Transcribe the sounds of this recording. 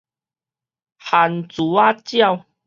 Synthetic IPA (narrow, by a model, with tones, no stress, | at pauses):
ha˨˩nt͡su˨˦a˦t͡ɕja˥˧w